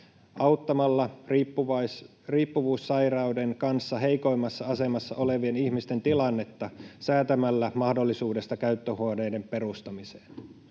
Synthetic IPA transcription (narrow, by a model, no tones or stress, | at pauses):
ʔɑwt̪ːɑmɑlːɑuʋɑ | riːpːuʋuːsːɑjrɑudeŋkɑnsːɑɦe̞jko̞jmɑsːɑɑse̞mɑsːɑ̰ʔo̞le̞ʋienihmist̪e̞nt̪ilɑnːe̞t̪ːɑsæːt̪æmælːæmɑhdolːisuːde̞st̪ɑkæyt̪ːøhuonejde̞mpe̞rust̪ɑmise̥ːn